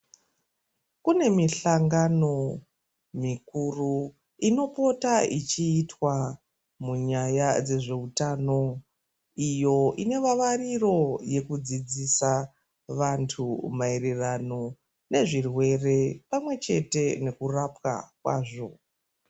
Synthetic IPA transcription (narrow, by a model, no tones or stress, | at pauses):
kune̞miɬaŋɡano̞ | mikuru | ino̞po̞taḭt͡ʃiːtwa | muɲajad͡ze̞ʐe̞utano̞ | ijo̞ʔine̞ʋaʋariro̞je̞kud͡zid͡zisa | ʋantʰumaererano̞ | ne̞ʐirwe̞re̞pamwe̞t͡ʃe̞te̞ne̞kurapka̰kwa̰ːʐo̞